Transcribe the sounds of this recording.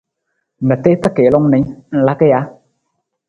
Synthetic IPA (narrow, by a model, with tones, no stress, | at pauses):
mə˨t̪e˦t̪a˦ke˨˦lɔ˧ŋnɛ˨˦ŋ˨la˦ke˦ja˨˦